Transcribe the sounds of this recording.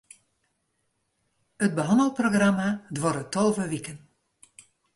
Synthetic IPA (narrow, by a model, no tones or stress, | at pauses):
ət̚bəɦɔndəlˠproɣramadʋɔɾətolˠvəʋikən